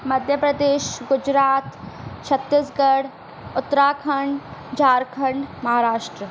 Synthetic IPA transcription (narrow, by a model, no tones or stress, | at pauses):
mɐd̪ʱjəpɾɐd̪eːʃɡʊd͡ʒɾaːt̪t͡ʃʰɐt̪ːisɡɐɽ | ʊt̪ːɾaːkʰɐɳɖd͡ʒaːɾkʰɐ̃ɳɖmɐɦaːɾaːʃʈɾə